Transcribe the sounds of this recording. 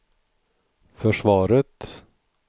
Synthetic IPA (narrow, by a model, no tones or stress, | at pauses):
fœʂvɑːɾət̪